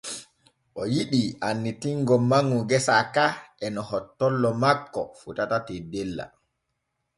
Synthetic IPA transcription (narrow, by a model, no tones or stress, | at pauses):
ʔɔjiɗiʔanːitiŋɡɔmaŋuɡɛsakaɛnɔhɔtːɔlːɔmakːɔ̰futatatɛdɛlːa̰